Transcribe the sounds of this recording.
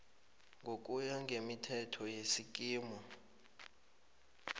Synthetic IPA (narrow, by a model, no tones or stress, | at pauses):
ŋɡʱok̬ʼujaŋʱemitʰɛtʰɔjesik̬ʼiːmɔ